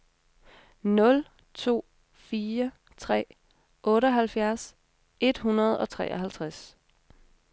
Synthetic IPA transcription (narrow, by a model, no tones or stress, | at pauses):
nɔ̽l | t͡sʰo̝̰ː | fiːɐ | t͡sʰʁɛ̰ː | ʔɔ̽ːɾəɒɦælfjæɐs | e̝d̥ɦunɐð̞̩ˠɒ̽t͡sʰʁɛ̰ːʔɒɦælt͡sʰʁas